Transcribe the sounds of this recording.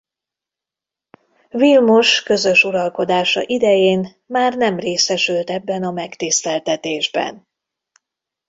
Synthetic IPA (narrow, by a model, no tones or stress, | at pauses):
vilmuʃkø̞zø̞ʃuɾɒlko̞d̪aːʃɒ̰ʔid̪ɛjeːn | maːrnɛmreːsɛʃylt̪ɛbːɛnɒmɛkt̪ist̪ɛlt̪ɛt̪eːʒbɛ̰n